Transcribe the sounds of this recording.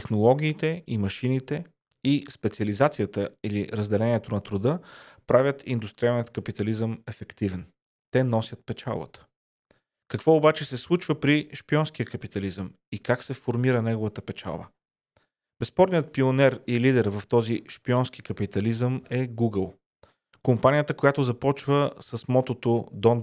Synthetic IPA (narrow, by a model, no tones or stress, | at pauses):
t̪ɛxnolˠɔɡ̟ʲiːt̪ɛimɐʃinit̪ɛ | ispɛt̪siɐlizat̪sijət̪əiliɾəzd̪ɛlɛniɛt̪onɐt̪ɾʊd̪ɤpɾavʲjət̪ind̪ust̪ɾʲialˠnijət̪kəpit̪ɐlizəmɛfɛkt̪ivɛn | t̪ɛnɔsʲət̪̚pɛt͡ʃa̰lˠbə̰t̪ə̥ | kɐkv̥ɔobat͡ʃɛsɛslˠut͡ʃvəpɾiʃpiɔnsk̟ijəkɐpit̪ɐlizəm | ikaksɛfoɾmiɾənɛɡovət̪əpɛt͡ʃa̰lˠbə̰ | bɛspɔɾnijət̪̚pionɛɾilid̪ɛɾvəft̪ɔziʃpiɔnsk̟ikɐpit̪ɐlizəmɛɡuɡəlˠ | kompanijət̪əkojat̪ozɐpɔt͡ʃvəsəsmɔt̪ot̪od̪ɔn